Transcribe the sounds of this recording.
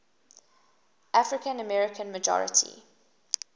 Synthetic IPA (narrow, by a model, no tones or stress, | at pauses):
ʔafɹɪkə̃nəmɛɹɪkʰə̃nməd͡ʒɔ̰ɹɪ̰tʰḭ